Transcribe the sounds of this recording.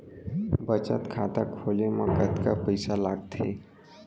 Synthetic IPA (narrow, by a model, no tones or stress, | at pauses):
bət͡ʃət̪kʰaːt̪akʰoːlemə̃ɡət̪ka̰pəɪsalaːɡt̪ʰḛ